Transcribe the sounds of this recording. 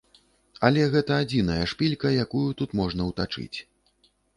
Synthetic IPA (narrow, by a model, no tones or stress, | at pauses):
ɐlʲɛɣɛt̪ɐad͡zʲinɐjɐʂpʲilʲkɐjakujut̪ut̪mɔʐnɐwt̪at͡ʂɨ̰t͡sʲ